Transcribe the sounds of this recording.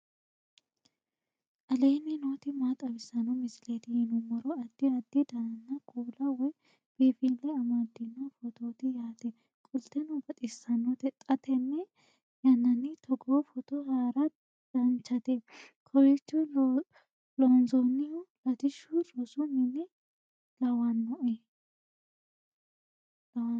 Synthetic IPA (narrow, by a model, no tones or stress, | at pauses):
ʔɐleːnːɪnoːt̪ɪmaːt̪ʼɐbɪsːɐnɔmɪsɪlet̪ɪhɪnʊmɔɾɔɐd̪ːɪɐd̪ːɪd̪ɐnɐnːɐkʼuːlɐwɔj | b̥iːfilːɛɐmad̪ːɪnːofɔt̪oːt̪ɪjaːt̪ɛ | kʼʊlt̪ɛnʊbɐt̪ʼɪsːɐnɔt̪ɛt̪ʼːɐt̪ʰɛnːɛ | jɐnːɐnːɪt̪ʰɔɡofɔt̪ɔhaːɾɐ | d̪̥ɐnt͡ʃːɐt̪ɛ | kʰɔwɪt͡ʃːʊ | loːnzɔnːɪjʊlɐt̪ɪʃʊɾʼɔsʊnɪnːɪ | ɡɐwɐnːɔʔɛ | ɐwɐ